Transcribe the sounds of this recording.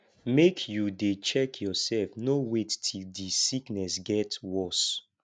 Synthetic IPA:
mekʰjudet͡ʃɛkʰjɔsɛlfnowettʰildisiknɛsɡɛtwɔs

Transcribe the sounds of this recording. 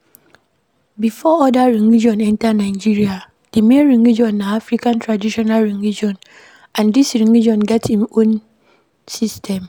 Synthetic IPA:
bifɔɔdaɹĩŋid͡ʒɔ̃nɛ̃ntanãɪd͡ʒiɹia | d̥emẽɹĩŋid͡ʒɔ̃nːaafɾikãntʰɹadiʃɔnalɹĩŋid͡ʒɔ̃n | ãndisɹĩŋid͡ʒɔ̃nɡɛthĩmõn | sistʰɛ̃m

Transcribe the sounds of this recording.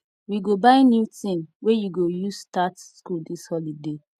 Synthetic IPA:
wiɡobaɪnjutĩnwejuɡojustatskuldishɔlide

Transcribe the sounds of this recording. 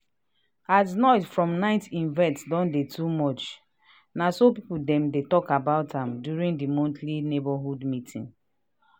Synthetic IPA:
atnɔɪtfɹɔ̃mnaɪtĩnvɛ̃ntdɔ̃ndetʰumɔt͡ʃ | nasopipudɛ̃mdetɔkabaʊtãmdjuɹĩŋdimɔ̃ntʰlinebɔɦudmitʰḭ̃n

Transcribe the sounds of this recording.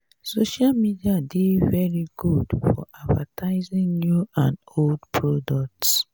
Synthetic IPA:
soʃalmidiadevɛɹiɡudfɔ̰ʔadvatʰaɪzĩŋnuãnoldpʰɹɔdɔk̚ts

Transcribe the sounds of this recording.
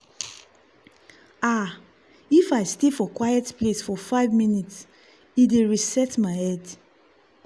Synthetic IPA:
a | ifaɪstefɔkwajɛtplesfɔfaɪvmĩnits | ideɹisɛtmaɪɛd

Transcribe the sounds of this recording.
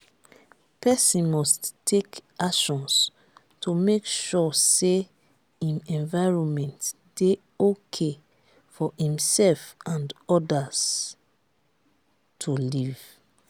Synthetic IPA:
pʰɛsĩnmɔsttʰːekaʃɔ̃ns | tʰumekʃɔse | ĩnɛ̃ɱvaɪɹɔ̃nmɛ̃nt | d̥e | okʰe | fɔhĩmsɛlfãndɔdaz̥ | tʰuliv

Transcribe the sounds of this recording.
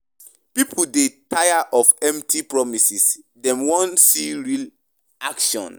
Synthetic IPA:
pipʰuldetʰajaʔɔfɛ̃mtipɹɔmisis | dɛ̃mwɔ̃ntsiɹil | akʃɔ̰̃n

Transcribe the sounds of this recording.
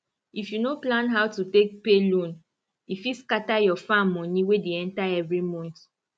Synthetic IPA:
ifjunoplãnɦawtutek̚pelõn | ifiskatajɔfãmːɔ̃niwedeɛ̃ntaɛvɾimɔ̃nt

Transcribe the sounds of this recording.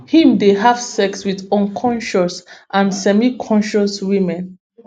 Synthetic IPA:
hĩmdeɦav̥sɛkswiðɔ̃nkʰɔ̃nʃɔsʔãnsɛmikʰɔ̃nʃɔswĩmɛ̃n

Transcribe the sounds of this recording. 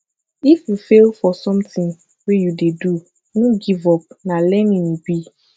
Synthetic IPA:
ifjufelfɔsɔ̃mt̪ĩŋ | wɛjudedu | nũɡivɔp̚nãlɛnĩnubi

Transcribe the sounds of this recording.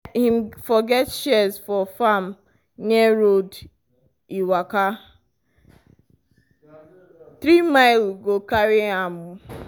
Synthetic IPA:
him̩fɔɡɛtʃɛzfɔfam̩ | ɲeɾod | iwaka | t̪ɾimaɪlɡokaɾiamʊ

